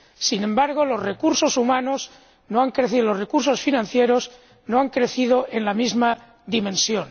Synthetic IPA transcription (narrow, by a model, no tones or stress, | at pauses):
sinẽ̞mbaɾɣ̞o̞lo̞zre̞kuɾso̞sumãnoz | noaŋkɾeθilozre̞kuɾso̞sfinãnθje̞ɾo̞z | noaŋkɾe̞θiðo̞ʔe̞nlamizma | d̪imẽ̞nsjo̞n